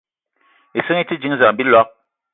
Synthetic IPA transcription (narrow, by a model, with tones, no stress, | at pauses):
e˨sɨ˦ŋi˦ti˦d͡ʒi˨˦ŋ˦za˨m˨bi˦lɔ˦k̚